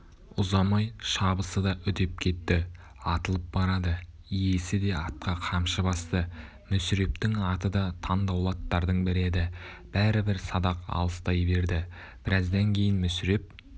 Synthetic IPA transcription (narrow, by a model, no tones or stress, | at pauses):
ʊzɑmɑjʃɑbəsəd̪ɑʔʏd̪e̞p̚kʲʰe̞t̪ːɪ | ɑt̪əlˠəp̚bɑɾɑd̪ə | ije̞sɪd̪e̞ɑt̪̚qɑqʰɑmʃəbɑst̪ə | mʏsɪɾe̞pt̪ɪŋɑt̪əd̪ɑt̪ʰɑnd̪ɑwlˠɑt̪ːɑɾd̪əɴbɪɾe̞d̪ɪ | b̥æɾɪbɪɾsɑd̪ɑqɑ̰lˠəst̪ɑjbe̞ɾd̪ɪ | b̥ɪɾɑzd̪ɑŋkʲʰe̞jɪnmʏsɪɾe̞p̚